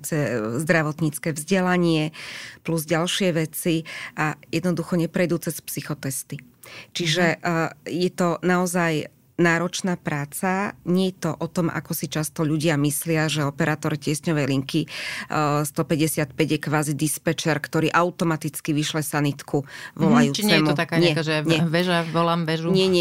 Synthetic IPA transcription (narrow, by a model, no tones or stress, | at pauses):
t͡sɛzd̪ɾaʋɔt̪ɲit͡skɛːvzɟɛlaɲɪɛpluzɟalʃɪɛʋɛt͡siʔajɛd̪nɔd̪uxɔɲɛpɾɛjd̪uːt͡sɛspsixɔt̪ɛst̪i | t͡ʃiʒɛjɛt̪ɔnaɔzaj | naːɾɔt͡ʃnaːpɾaːt͡saɲɪɛjɛt̪ɔʔɔt̪ɔmʔa̰kɔsit͡ʃast̪ɔʎuɟɪamislɪaʒɛɔpɛɾaːt̪ɔɾicɪɛsɲɔʋɛjliŋki | st̪ɔpɛɟɛsɪat̪̚pɛɟjɛkʋaːzid̪ispɛt͡ʃɛɾkt̪ɔɾiːʔaʊt̪ɔmat̪it͡skiʋiʃlɛsanit̪kʰuʋɔlajuːt͡ʃit͡sɲɛːɛmuɔt̪akaɲɛaʒɛɲʋɛʒaʋɔlaːmʋɛʒuɲɛɲɛ